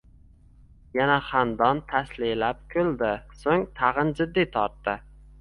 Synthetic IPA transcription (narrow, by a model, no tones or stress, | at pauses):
janaχand̪ɒnt̪ʰaslɪlap̚kʲʰɵlˠd̪ɪsoŋt̪ʰɑʁɨnd͡ʒɪd̪ːit̪ʰɒɾt̪ːɪ